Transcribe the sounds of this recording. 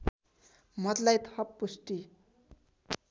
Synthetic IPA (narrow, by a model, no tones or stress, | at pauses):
mʌd̪lajt̪ʰʌpːusʈi